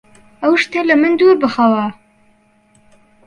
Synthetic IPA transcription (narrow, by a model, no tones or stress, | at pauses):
ɐwʃt̪elɐmɨnd̪uɾbɨxɐwɐ